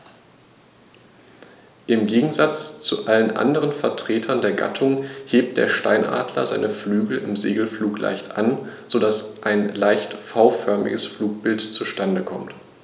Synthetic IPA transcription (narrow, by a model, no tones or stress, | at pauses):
ʔɪmɡeːɡŋ̩zat͡st͡suʔalənʔa̰ndəʁ̞ənfɛɐtʁ̥eːtʰɐndeːɐɡa̰tʰʊŋheːp̚t̚d̥ḛːɐʃtaɪnʔa̰ːdlɐ̰za̰ɪnəflyːɡl̩ɪmzeːɡl̩fluːklʔa̰ɪçtʔa̰nz̥odasʔaɪnlaɪçtfaʊfœɐmɪ̰ɡəsfluːk̚b̥ɪltt͡suʃtandəkʰɔmt